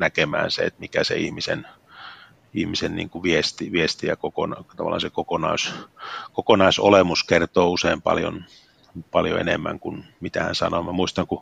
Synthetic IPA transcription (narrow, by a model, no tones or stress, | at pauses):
nækemæ̰ːnsḛḛt̪mikæsḛihmisḛn | ihmisennḭːŋkuʋiest̪iʋiest̪ijɑkokonɑt̪ɑʋɑlːˑɑ̰nsekokonɑ̰uskokonɑisolemuskert̪oːuseimpɑ̰ljo̰n | pɑljo̰ḛnemːæ̰ŋkunmit̪æhæ̰nsɑ̰nomæmuist̪ɑŋku